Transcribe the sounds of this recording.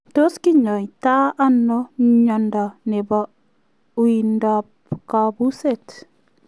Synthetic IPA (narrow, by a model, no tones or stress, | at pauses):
toskiɲɔjtaʔanːɔɲandanɛba | windap | kabuset